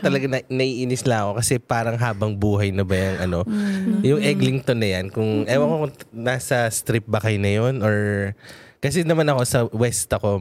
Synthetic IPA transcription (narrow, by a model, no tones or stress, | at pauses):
t̪ɐlɐɡanɐnɐʔiːʔinɪslɐŋɐko̞kɐsɛpaːɾɐŋɦaːbɐŋbuːɦɐjnɐbɐjɐŋʔɐno̞jʊŋʔɛɡlɪŋt̪onːɐjankʊŋʔɐjwɐkokʊnaːsɐst̪ɾɪp̚bɐkɐjnɐjo̞nʔoɹ | kɐs̬ɛnɐmanɐko̞sɐwɛst̪ɐko̞